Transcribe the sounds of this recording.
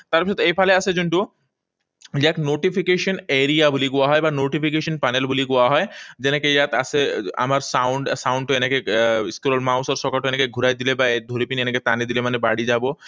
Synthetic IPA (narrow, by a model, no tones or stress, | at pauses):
t̪aɾpit͡ɕʰot̪ːeejfʰaleasʰed͡ʑuɳʈu | d͡ʑeɛknoʈifʰikeʃoneɾijabuliɡuaɦɔebanoʈifʰikeʃonpanelbuliɡuaɦɔed͡ʑenekejat̪a̰sʰea̰maɾsawɳɖsawɳɖʈoenekeskuɾolmawsaɾʃɔkaʈoenekeɡʱuɾajd̪ilebaed̪ʱoɾipinieneket̪anid̪ilemanebaɽid͡ʑabo